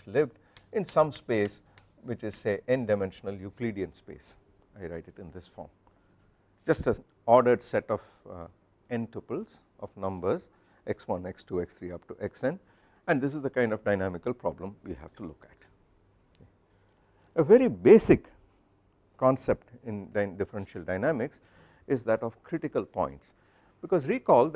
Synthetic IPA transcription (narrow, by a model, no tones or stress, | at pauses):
lɪʋɖ | ɪ̃nsʌ̃mspeːs | ʋɪt͡ʃɪzseʔɪ̃nɖaɪmɛ̃nʃnəljukliɖiə̃nspḛːs | aɪɾaɪʈɪʈɪ̃nd̪ɪsfɔ̰ːɾm | d͡ʒʌsʈæz | ɔːɖəɖsɛʈɔf | ɛ̃nʈəpəlz̥ | ʔɔfnʌ̃mbəɾz | ʔɛkswʌ̃nɛksʈuːɛkst̪ʰɾiʌp̚ʈuʔɛksɛ̃n | æ̃ɳd̪ɪs̬ɪzd̪əkãɪ̃nɖɔfɖaɪnæmɪkəlpɾɔblə̃mʋḭhæʋ̥ʈulʊkæʈ | əʋɛɾibeːsɪkː | ɔ̃nsep̚ʈɪ̃nɖɪɖɪfəɾɛ̃nʃəlɖaɪnæmɪks | ɪzd̪æʈɔfkʰɾɪʈɪkəlpɔ̰̃ɪ̃nʈs | b̥ɪkɔːzɾiːkɔːld̪